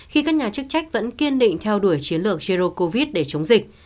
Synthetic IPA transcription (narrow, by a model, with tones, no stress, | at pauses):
xi˧kaː˦˥k̚ɲaː˨˩t͡ɕɨ˦˥k̚t͡ɕa˦˥jk̟̚və̰˧˥nki˧ənɗḭ˧˨ŋ̟t̪ʰɛ˧wɗu˧˩əjt͡ɕi˨˦ənlɨ˨˩ək̚t͡ɕi˧ɾo˧əkːo˧vi˦˥t̚ɗe˧˩t͡ɕə˨˦wŋ͡mzï˨˩k̟̚